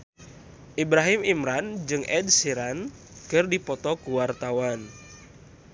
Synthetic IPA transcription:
ʔibɾaɦimimɾand͡ʒɨŋʔɛd̚siɾan | kɨrdipɔt̪ɔkuwart̪awan

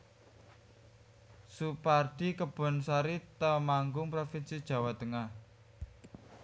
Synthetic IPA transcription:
suparɖ̪̥i̤kəb̥ɔ̤nsaɾit̪əmaŋɡʊŋpɾofinsid̥ʒ̥a̤wat̪əŋah

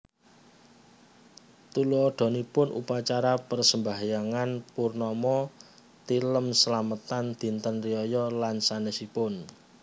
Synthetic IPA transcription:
t̪uluɔɖ̪̥ɔ̤nipʊnʔṵpat͡ʃaɾapərsəmbaɦajaŋanpurnɔmɔ | t̪iləmsəlamət̪and̪̥i̤nt̪ənriɔjɔlansanəsipʊn

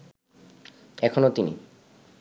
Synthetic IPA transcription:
ɛkʰonot̪inḭ

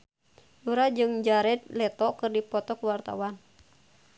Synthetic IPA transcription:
uɾad͡ʒɨŋd͡ʒaɾɛt̪̚lɛt̪ɔkɨrdipɔt̪ɔkuwart̪a̰wan

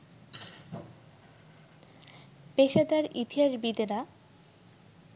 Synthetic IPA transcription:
peʃad̪aɾḭt̪iɦaʃbid̪eɾa

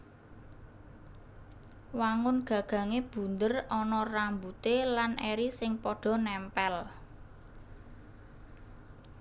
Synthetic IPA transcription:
waŋʊnɡ̥ä̤ɡ̥ä̤ŋeb̥ṳnd̪ərɔnɔrambut̪elanʔɛɾisɪŋpɔɖ̥ɔ̤nɛmpɛl

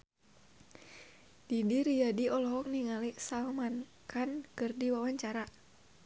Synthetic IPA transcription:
d̥idiɾiadiɔlɔɦɔk̚niŋalisalman | kankɨrdiwawaɲt͡ʃaɾa

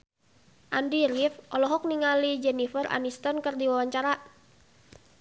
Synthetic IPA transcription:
ʔandiɾifʔɔlɔɦɔk̚niŋalid͡ʒɛnifəra̰nist̪ɔnkɨrdiwawaɲt͡ʃaɾa

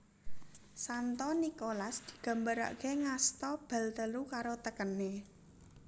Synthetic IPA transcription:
sant̪ɔnikolasd̪̥i̤̥ɡ̥a̤mbəɾa̰ʔkeŋast̪ɔb̥ä̤lt̪əlukaɾot̪əkəne

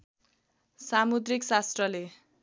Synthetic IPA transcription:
samud̪riksast̪rʌle

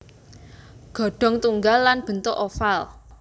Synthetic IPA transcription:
ɡ̥ɔ̤ɖ̥ɔ̤ŋt̪uŋɡalːanb̥ə̤nt̪oʔofal

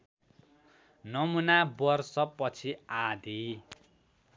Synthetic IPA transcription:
nʌmunabʌrsʌpʌt͡sʰiad̪ʱi

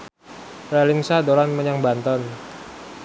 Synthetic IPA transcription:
ralɪŋsadolanməɲaŋbant̪ɔn

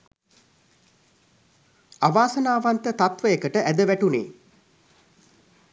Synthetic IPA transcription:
aʋaːsənaːʋant̪ət̪at̪ʋəjəkəʈəʔæd̪əʋæʈunḛː

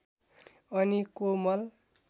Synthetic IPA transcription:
ʌnikomʌl

